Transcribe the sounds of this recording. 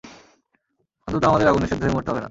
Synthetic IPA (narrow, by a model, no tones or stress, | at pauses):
ɔ̃nt̪ot̪oamad̪eɾaɡuneʃed̪ʱoɾemoɾt̪eɔbena̰